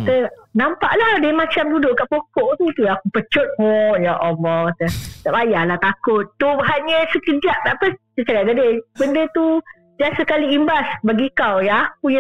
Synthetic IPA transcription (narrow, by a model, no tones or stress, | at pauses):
t̪ənampa̰ʔladəmat͡ʃamdudʊʔkaʔpokɔʔt̪ut̪uakupət͡ʃʊt̪̚hɔjaʔɔbɔt̪ət̪abajalat̪akʊt̪ːuɦaɲəsəkəd͡ʒaʔ̚t̪aʔpəsət͡ʃaɡaʔ̚ɡadəbəndət̪u | diasəkaliːmbasbaɡikawjak̚uja